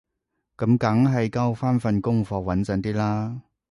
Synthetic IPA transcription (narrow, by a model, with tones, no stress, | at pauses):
kɐ˨˥mkɐ˨˥ŋɦɐ˨jkɐ˥wfaː˥nfɐ˨nkʊ˥ŋfɔː˧k̚wɐ˨˥nt͡sɐ˨˧ŋt̪iː˥laː˥